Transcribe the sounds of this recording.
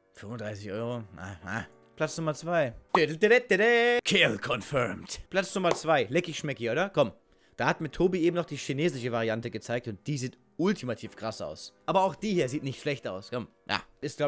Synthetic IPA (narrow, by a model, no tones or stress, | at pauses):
fʏmvʊndʁaɪsɪçʔɔʏʁoʔa̰ha̰ | pʰl̥at͡snʊmɐt͡sv̥aɪd̥edltɛdɛtːɛdɛkʰelkʰɔnfɛɐmtpl̥at͡snʊmɐt͡sv̥aɪlɛkɪçʃmɛkiʔoːdɐkʰɔm | d̥aːhatmɪtʰoːbiʔeːbm̩nɔχd̥iːʃineːzɪʃəvaʁiantəɡət͡saɪk̚tʊnt̚d̥iːziːt | ʊltʰimatʰiːfkʁ̥asa̰ʊsʔaːbɐaʊxd̥iːhiːɐziːtnɪçtʃlɛçtaʊskʰɔm | jʔa̰ːɪstɡ̥la